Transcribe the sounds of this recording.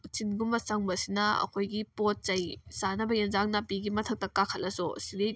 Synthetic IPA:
t͡ʃinɡumbɐsɐŋbɐsinɐɐ̰kʰojɡipot̚t͡ʃɐjsanɐbɐjenzaŋnapiɡimɐtʰɐk̚tɐkakʰɐlɐsɔsile

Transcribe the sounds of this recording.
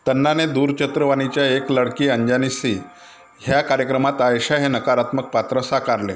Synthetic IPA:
t̪ənːaned̪uːɾt͡ɕət̪ɾəʋañit͡ɕjaekləɽkiːəɲd͡ʑanisi | ɦjakaɾjəkɾəmat̪aeɕaɦenəkaɾat̪mək̚pat̪ɾəsakaɾlḛ

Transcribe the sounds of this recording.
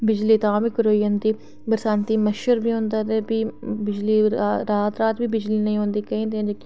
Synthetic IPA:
bɪd͡ʒliːt̪ãːbikəɾoːiːənd̪iː | bəɾsãːnt̪iːməʃəɾbʱiːɦõːnd̪aːt̪ebiːbɪd͡ʒliːɾaːt̪ɾaːt̪biːbɪd͡ʒliːnɐĩːɦõːnd̪iːkɐɦĩːd̪ẽd͡ʒek

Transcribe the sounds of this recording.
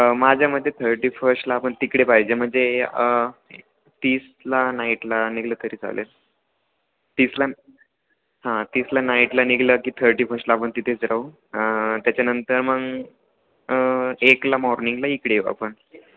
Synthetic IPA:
mad͡ʑʱjaməd̪ʱːjet̪ʰəɾʈiːfʰəɾsʈlaːpəɳt̪ikɽepajd͡ʑem̤əɳd͡ze | t̪iːs | lanaiʈlaniɡləːt̪əɾiːd͡za̰lʔḛ | t̪iːsla | ɦãt̪iːslanaiʈlaniɡləːkiːt̪ʰəɾʈiːfəɾsʈlaːp̬əɳt̪it̪ʰet͡sɾau | t̪jat͡ɕjanənt̪əɾməɡ | eklamɔɾniŋɡlaikɽea̰pəɳ

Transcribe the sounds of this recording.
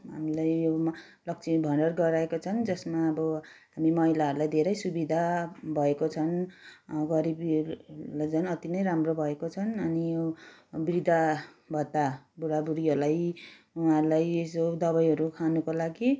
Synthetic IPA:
ɦa̰milajjo | lʌk̚t͡sʰibʱʌɳɖʌrɡʌɾaekot͡sʰʌnd͡zʌsmaʌbʌɦamimʌɦilaʌɾulajd̪ʱeɾʌjsubid̪ʱabʱʌekot͡sʰʌn | ɡʌɾib | lad͡zʌnʌt̪inʌjɾamrobʱʌekot͡sʰʌnʌnijobid̪ʱa | bʱʌt̪ːabuɽabuɾiɦʌɾlaj | uɦaɾulajesod̪ʌβʌjɦʌɾukʰanukolaɡi

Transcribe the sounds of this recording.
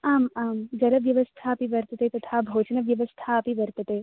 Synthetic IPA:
aːmaːmd͡ʒɐɾɐʋjɐʋɐst̪ʰaɐpiʋɐɾt̪ɐt̪et̪ɐt̪ʰaːbʱoːt͡ʃɐnɐʋjɐʋɐst̪ʰaɐpiʋɐɾt̪ɐt̪eː

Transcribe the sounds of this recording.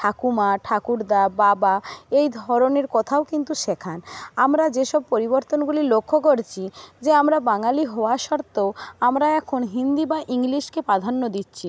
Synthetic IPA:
ʈʰakumaʈʰakuɾd̪ababaejd̪ʱɔɾoneɾkɔt̪ʰaokint̪uʃekʰanamɾad͡ʑeʃɔb̚poɾiboɾt̪onɡulilokʰːokoɾt͡ɕʰid͡ʑeamɾabaŋaliɦɔoaʃɔɾt̪ewamɾaɛkʰonɦind̪ibaʔiŋliʃkepɾad̪ʱanːod̪it̪ːɕʰi

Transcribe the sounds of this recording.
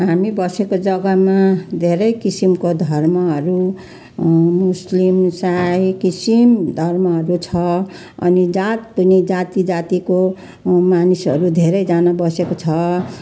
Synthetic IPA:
ɦamibʌsekod͡zʌɡʌmad̪ʱeɾʌjkisimkod̪ʱʌrmʌɦʌɾu | muslimsajkisimd̪ʱʌrmʌɦʌɾut͡sʰʌ | ʌ̰nid͡zat̪ːunid͡zat̪id͡zat̪iko | manisʌɾud̪ʱeɾʌjd͡zanabʌsekot͡sʰʌ

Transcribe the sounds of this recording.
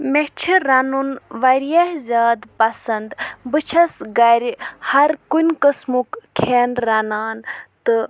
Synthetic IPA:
meɦt͡ʃʰiɾɐnunʋɐɾjɐɦzʲaːd̪pɐsɐnd̪bɨt͡ʃʰɐsɡɐɾʲhɐɾkunʲkəsmukkʰeːnɾɐnaːnt̪ɨ

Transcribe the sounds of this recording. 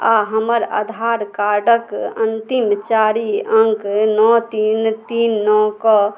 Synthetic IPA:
aɦəməɾa̰d̪ʱaɾkaɾɖəkənt̪imt͡ʃaɾiə̃ŋknɔt̪int̪inːɔkɔ

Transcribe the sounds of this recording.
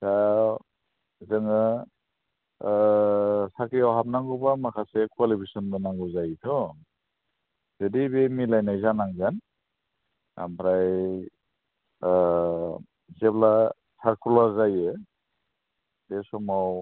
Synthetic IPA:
sa | zɯŋɯ | sakijawɦap̚naŋɡubamakʰasekwalipʰisɔnbɯnaŋɡɔzajt̪ʰɔ | zedibemilajnajzanaŋzan | a̰mpʰɾaj | zebla | saɾkʰulaɾzajɯ | d̥esɔmaw

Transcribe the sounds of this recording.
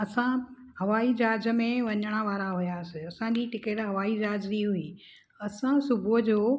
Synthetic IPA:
ɐsã | hɐʋaːid͡ʑaːd͡ʑə̆mẽʋɐɲəɽ̃ə̆ʋaːɾaɦʊjasɪɐsãd͡ʑiʈɪkeːʈɦɐʋaːid͡ʑaːd͡ʑɾiɦuiː | ɐsãsʊbʱud͡ʑoː

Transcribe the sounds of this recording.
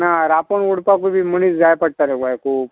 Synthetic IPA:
naɾapəɳuɽpakubiməñiːt͡sd͡zajpəɽ̚t̪aɾekajkʰuːp̚

